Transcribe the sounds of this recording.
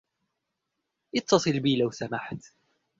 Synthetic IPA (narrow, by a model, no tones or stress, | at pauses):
ʔɪt̪ːɑsˤɨlbiːlawsamaħt̪